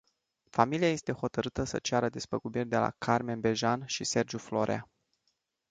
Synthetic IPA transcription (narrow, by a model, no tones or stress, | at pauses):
familiaje̞st̪e̞ho̞t̪əɾɨt̪əsə̰t͡ʃaɾəd̪espəkubirʲd̪e̞la̰kʰarme̞nbe̞ʒanʃise̞rd͡ʒuflo̞̰ɾea̰